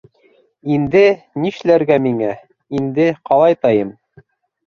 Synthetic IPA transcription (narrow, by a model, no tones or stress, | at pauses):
ind̪ɘ | niʃlæɾɡæmiŋæ | ind̪ɘqʰɑlˠɑjt̪ɑjɤm